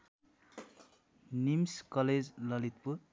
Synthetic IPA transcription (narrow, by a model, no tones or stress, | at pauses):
nimskʌled͡zlʌlit̪̚puɾ